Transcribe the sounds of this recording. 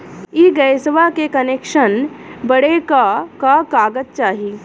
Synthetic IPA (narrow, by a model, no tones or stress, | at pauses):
iːɡəjsʋakekɐnekʃənbəɽekakakaːɡət̪̚t͡ʃaːɦi